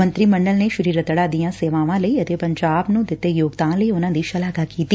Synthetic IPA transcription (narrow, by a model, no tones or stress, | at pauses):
ə̃nt̪ɾiːmə̃ɳɖəlneʃʊɾiːɾət̪əɽaːd̪ijãːseːʋãːʋãːləiɐt̪epɐ̃ɲd͡ʒaːbnũːd̪ɪt̪ːejoːɡd̪ãːləiʊnãːd̪iːʃɐlaːɡakiːt̪i